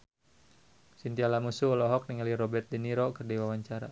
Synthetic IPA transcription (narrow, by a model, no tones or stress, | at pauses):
sint̪ialamusuɔlɔɦɔk̚niŋalirɔbɛrt̪̚dɛniɾɔkərdiwawaɲt͡ʃaɾa̰